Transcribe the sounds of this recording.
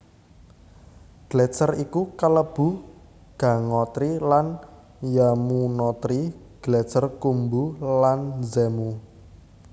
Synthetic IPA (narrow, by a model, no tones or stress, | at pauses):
ɡ̥lɛt͡ʃərikukələb̥ṳ | ɡ̥a̤ŋɔt̪ɾilan | jamunɔt̪ɾi | ɡ̥lɛt͡ʃərkumbulanzemu